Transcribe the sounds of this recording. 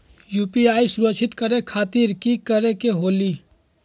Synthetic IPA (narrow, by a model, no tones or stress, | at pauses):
juːpiaːisʊɾəkʃʰɪt̪kəɾekʰaːt̪iːɾkikəɾekeɦoːli